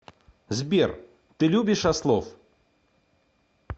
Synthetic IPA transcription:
zʲbʲɛr | t̪ɨlʲubʲɪʂaslˠɔf

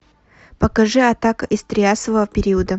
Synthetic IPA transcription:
pəkɐʐɨɐt̪akɐʔɪst̪ɾʲɪasəvəvəpʲɪɾʲiəd̪ə

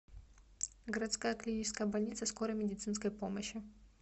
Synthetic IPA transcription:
ɡəɾɐt̪skajəklʲɪnʲit͡ɕɪ̥skəjəbɐlʲnʲit̪səskoɾəjmʲɪdʲɪt̪sɨnskəjpoməɕːɪ

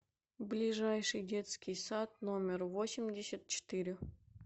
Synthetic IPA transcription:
blʲiʐajʂɨjdʲet̪skʲɪjsat̪nomʲɪrvosʲɪmʲdʲesʲat̪̚t͡ɕɪ̥t̪ɨɾʲɪ

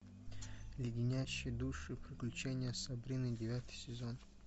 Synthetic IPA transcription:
lʲɪɡʲɪnʲaɕːɪjd̪uʂɨpɾʲɪklʲut͡ʃenʲɪjəsɐbɾʲinɨdʲɪvʲat̪ʰɨ̥jsʲɪzo̞n

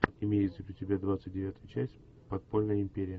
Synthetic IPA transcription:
ɪmʲejɪt̪zʲəpʲɾʲɪtʲɪbʲad̪vat̪sɨt̚ʲdʲɪvʲat̪ʊjʊt͡ɕæsʲtʲ | pɐt̪polʲnəjəɪmʲpʲeɾʲɪjə

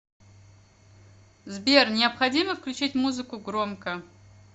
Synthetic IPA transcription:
zbʲernʲɪɐpxɐdʲiməfklʲʉt͡ʃitʲmuzɨkʊɡɾomkə

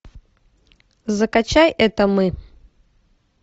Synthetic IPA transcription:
zəkat͡ɕajɛt̪əmɨ

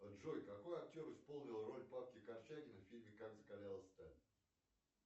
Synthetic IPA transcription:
ɐʐojkɐko̞jɐk̚tʲo̞ɾɨspo̞lˠnʲɪlˠro̞lʲpap̚kʲɪkɐrt͡ɕæɡʲɪnəfʲilʲmʲɪkakzəkɐlʲalˠəsʲt̪alʲɪ

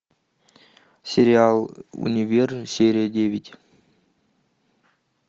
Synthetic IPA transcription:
sʲeɾʲɪalˠṵnʲivʲersʲeɾʲedʲevʲitʲ

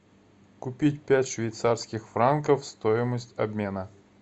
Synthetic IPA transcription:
kʊpʲitʲpʲætʲʂvʲɪjt̪sarskʲɪxfɾankəfst̪oɪməsʲtʲɐbmʲe̞nə

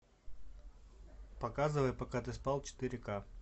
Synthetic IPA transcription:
pɐkazɨvəjpɐkat̪ɨspalˠt͡ɕɪ̥t̪ɨɾʲɪka

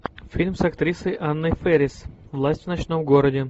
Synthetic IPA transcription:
fʲilʲmsɐkt̪ɾʲisəjʔanːəjfɛɾʲɪsvlˠasʲtʲvnɐt͡ɕnomɡoɾədʲɪ

